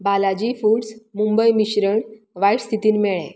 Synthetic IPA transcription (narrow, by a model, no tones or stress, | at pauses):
balad͡ʑiːfuːɽsmumbəjmiɕɾəɳ | ʋajʈst̪ʰit̪iːnmeɭḛ̃